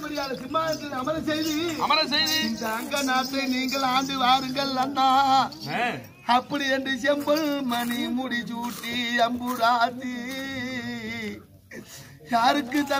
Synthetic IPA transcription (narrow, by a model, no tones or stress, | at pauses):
mɐɽɪjaːlɐsɪnmaːɐt̪ːɐɐmɐɾɐsɛjðiɐ̰mɐɾɐsɛjðiɪnd̪ɐɐŋɡɐnaːpːeniːŋɡɐɭaːnd̪ɯʋaːɾɯŋɡɐɭːɐnːa | ɐpːɐɽiɛndɯsɛmbɐɭmɐnimʊɽit͡ʃuːʈːiɐmbɯɾaːt̪ːi | jaːɾɯkːɯt̪ːɐ